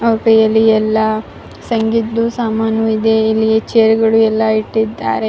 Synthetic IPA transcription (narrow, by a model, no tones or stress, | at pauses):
ɐʋkɐjɐlːiɛlːɐ | sɐŋɡit̪ːusaːmaːnuid̪eilːiet͡ʃeɐɾuɡɐɭuɛlːɐiʈːid̪ːa̰ːɾe̞